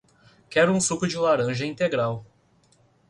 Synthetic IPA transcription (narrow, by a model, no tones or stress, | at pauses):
kɛɾʊũsukʊd͡ʒɪlaɾɐ̃ʒɐĩt̪eɡɾaw